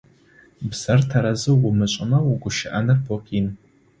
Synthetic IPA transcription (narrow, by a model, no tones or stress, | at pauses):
bsartʰaɾazɨɡʷʊmɨt͡ʃʷʼɪnawuɡʷʊʃɪʔanɨrpʰokʼin